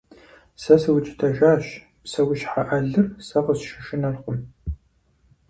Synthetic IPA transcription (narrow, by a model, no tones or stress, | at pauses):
sɐsɨwʊt͡ʃʼɪ̥tʰɐʒaːɕ | psɐwʊɕħaʔɐɮɨrsɐʁəsʃɪʃɪnɐɮχʷʊm